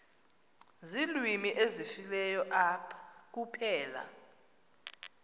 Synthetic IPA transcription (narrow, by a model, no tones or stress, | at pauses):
zilwimiʔezifilɛjɔʔapʰḁk̬upʰɛːla̰